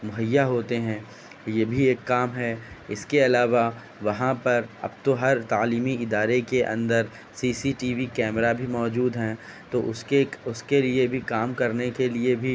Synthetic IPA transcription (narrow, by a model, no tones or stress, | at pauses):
mʊɦəjːaɦoːt̪eɦɛ̃ː | jeːbʱieːkːaːmɦɛɪskeɐlaːʋa | ʋɐɦãpɐɾɐ̰b̚t̪oɦɐɾt̪aːliːmiɪd̪aːɾekeʔɐ̰̃nd̪əɾ | siːsiʈiːʋikɛːmɾabʱimɔːd͡ʒuːd̪ɦɛ̃ːt̪oʔʊeʊskeliebʱikaːmkɐɾnekeliebʱi